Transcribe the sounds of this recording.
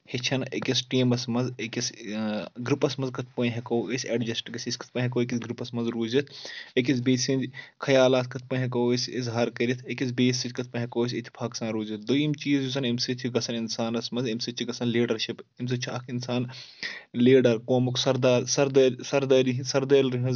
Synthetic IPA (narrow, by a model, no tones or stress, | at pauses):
het͡ʃʰɐnekʲɐsʈiːmɐsmɐnzekʲɐs | ɡɾipɐsmɐnzkɐt̪ʰpɐ̃nɦɐkowesʲeːɖd͡ʒɐsʈɡɐsʲisʲkɐ̥t̪̚ʰpɐ̃ɦɐkoːek̬ʲisɡɾipɐsmɐnzɾuːzit̪ʰekʲis̬beːsind͡ʒkʰɐjaːlaːt̪ʰkɐt̪̚ʰpɐːnɦɐkowesʲizɦaːɾkɐɾit̪ʰekʲisbeːsʲit̪ʲkɐt̪̚ʰpɐ̃ɦɐkoːes̬ʲit̪ʰi̥pʰaːksãːnɾuːzɐt̪̚ʰd̪ɐjimt͡ʃiːzjusɐnimsit̪ʰiɡɐsʰɐninsaːnɐsmɐnzimsit͡ʃ̪ʰiɡɐsʰɐnleːɖɐɾʃʰipims̬ɐt͡ʃʰuɐkʰinsaːn | leːɖɐɾkoːmuksɐɾd̪aːɾsɐɾd̪ɐsɐɾd̪ɐːɾiɦĩsɐɾd̪ɐːlɾiɦɐz